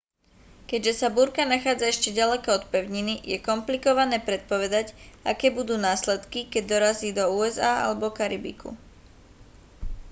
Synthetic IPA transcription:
kɛɟʒɛsabuɾkanaxaːd͡zaɛʃcɛɟalɛkɔɔt̪pɛʊɲinijɛkɔmplikɔʋanɛːpɾɛt̪̚pɔʋɛd̪acakɛːbud̪uːnaːslɛt̪kikɛɟ̚d̪ɔɾaziːd̪ɔuːɛzaːa̰lɛbɔkaɾibḭkṵ

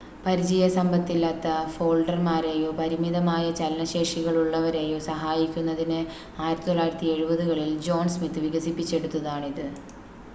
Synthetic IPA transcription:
pɐɾit͡ɕijɐsɐmbɐt̪ːilːaːt̪ːɐfo̞ːlɖɐrmaːɾeːjo̞ːpɐɾimiðɐmaːjɐt͡ɕɐlnɐɕe̞ːʂiɣɐɭuɭːɐʋɐɾeːjo̞ːsɐɦaːjikʲːunːɐðinɨ | aːjiɾɐt̪ːit̪oɭːaːjiɾɐt̪ːie̞ɻubɐðuɣɐɭild͡ʑo̞ːnsmit̪ːɨʋiɣɐsipːit͡ɕːe̞ɽut̪ːɐðaːɳiðɨ

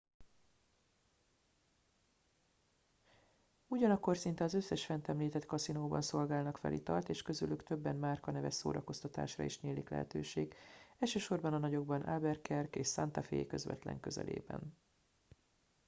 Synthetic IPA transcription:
uɟɒnɒkːo̞rsint̪ɛɒzøsːɛʃfɛnt̪ɛmliːt̪ɛt̪kɒsinoːbɒnso̞lɡaːlnɒkfɛ̰lḭt̪ɒlt̪eːʃkø̞zylykt̪ø̞bːɛnmaːrkɒnɛvɛso̰ːɾɒko̞st̪ɒt̪a̰ːʃrɒ̰iʃneːliklɛ̰ɦɛ̰t̪øːʃeːɡɛlʃøːʃo̞rbɒnɒnɒɟo̞ɡ̚bɒnʔa̰bɛrkɛrkeːʃsant̪ɒfḛːjkø̞zvɛ̰t̪lɛ̰ŋkøzɛ̰lḛːbɛ̰n

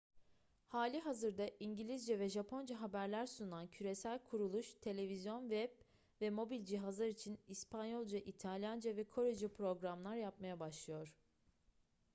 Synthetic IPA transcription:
haːlʲiɦazɯɾd̪aʔiɲɟilʲizd͡ʒɛvɛʒapʰo̞nd͡ʒaɦabæɾlʲæɾsunancʰyɾe̞sælʲkʰuɾulˠuʃt̪ʰe̞lʲe̞vizjo̞nvɛb | vɛmo̞bilʲd͡ʒiɦazlˠaɾit͡ʃʰinispʰanjo̞lˠd͡ʒaʔit̪ʰalʲjand͡ʒavɛkʰo̞ɾed͡ʒapɾo̞ɡɾamlˠaɾjap̚majabaʃlˠɯjo̞ɾ̥

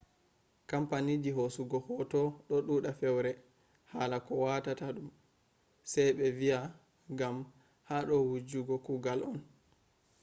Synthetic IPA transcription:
kampanid͡ʒiɦosuɡɔhɔtɔɗɔɗuːɗafɛwɾɛ | haːlakɔwatataɗum | sɛjɓɛvia | ɡam | haɗɔwud͡ʒuɡɔkuɡalɔn

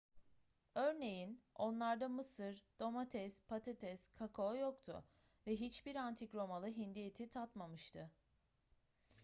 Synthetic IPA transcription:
øɾne̞jino̞nlˠaɾd̪amɯsɯɾd̪̥o̞mat̪ʰɛspʰat̪ʰet̪ʰɛskʰakʰojokt̪ʰʊ̰ | vɛɦit͡ʃbiɾant̪ʰikɾo̞malˠɯɦind̪ije̞t̪ʰit̪ʰat̪mamɯʃt̪ʰɯ

